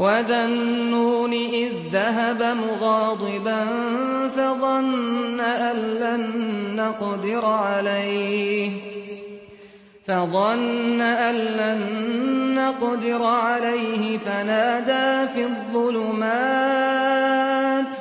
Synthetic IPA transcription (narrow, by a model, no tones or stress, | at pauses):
waðanːuːniʔɪðːaɦabamʊɣɑːd̪ˤɪban | fɑðˤɑnːaʔanːanːɑqd̪ɪɾʕalajh | fɑðˤɑnːaʔanːanː | ɑqd̪ɪɾʕalajhɪfanaːd̪aːfiːðˤːʊlʊmaː | t̪